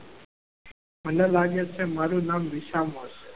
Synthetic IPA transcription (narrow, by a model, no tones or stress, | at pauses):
məlaːlaːɡeːt͡ʃʰeːmaːɾuːnaːmʋiʃaːmoːse